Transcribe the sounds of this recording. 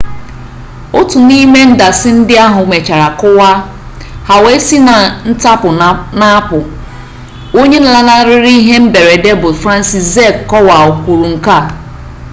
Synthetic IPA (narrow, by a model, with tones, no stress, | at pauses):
ʊ˦tʊ˨ni˦me˦n̩˦da˨sɪ˦n̩˦dɪ˦a˦ɦʊ˨˦me˨t͡ʃa˨ɾa˨kʊ˦wa˦ | ha˨we˦si˦na˨n̩˦ta˦pʊ˨na˦pʊ˨ | o˦ɲe˦na˨la˦na˦ɾɪ˦ɾi˦i˦ɦe˦m̩˦be˨ɾe˨de˦bʊ˨fɾa˦n̩˦si˨sze˦kːɔ˦wa˨o˨kʷu˨ɾu˨ŋ̩˨ka˦˨